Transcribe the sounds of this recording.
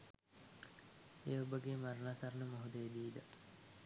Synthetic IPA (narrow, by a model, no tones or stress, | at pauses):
eobəɡeːmaɾnaːsɐɾnəmoɦud̪eed̪iːd̪ə